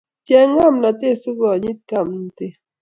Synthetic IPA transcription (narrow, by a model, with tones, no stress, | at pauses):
t͡ʃjɛ˦ŋa˦˨mna˨t̪e˦˨su˦ɡɔ˨ɲi˦t̪̚ka˦˨m˦n˦˨te˦